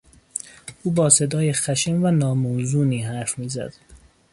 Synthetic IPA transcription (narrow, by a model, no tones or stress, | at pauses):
ʔuːbɒːse̞d̪ɒːjexæʃemvænɒːmozuːniːɦæɾfmiːzæ̰d̪̥